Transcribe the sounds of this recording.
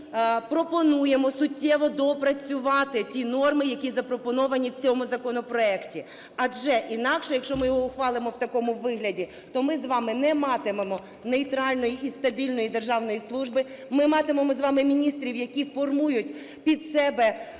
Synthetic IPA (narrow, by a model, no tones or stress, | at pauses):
pɾɔpɔnujemɔsʊtʲːɛʋɔd̪ɔpɾɐt͡sʲʊʋɑt̪ɪtʲinɔrmɪjɐkʲizɐpɾɔpɔnɔʋɐnʲiwt͡sʲɔmʊzɐkɔnɔpɾɔɛktʲi | ɐʒɛʔinɑkʃɛjɐkʃt͡ʃɔmɪjɔɦɔʊxʋɑlˠɪmɔwt̪ɐkɔmʊʋɪɦlʲɐdʲi | t̪ɔmɪzʋɑmɪnɛmɑt̪ɪmemɔ | nejt̪ɾɑlʲnɔjiʔist̪ɐbʲilʲnɔjid̪erʒɑwnɔjislˠuʒbɪ | mɪmɑt̪ɪmemɔzʋɑmɪmʲinʲist̪ɾʲiwjɐkʲifɔrmujʊtʲ | pʲid̪sɛbɛ